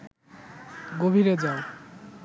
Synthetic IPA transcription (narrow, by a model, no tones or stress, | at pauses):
ɡobʱiɾed͡ʑao